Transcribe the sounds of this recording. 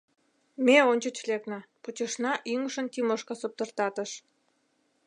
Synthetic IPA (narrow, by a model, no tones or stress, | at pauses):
meonʲt͡ɕət͡ɕleknə̆put͡ɕəʃnɑʔyŋəʃənt̪imoʃkɑsop̚t̪ərt̪ɑt̪əʃ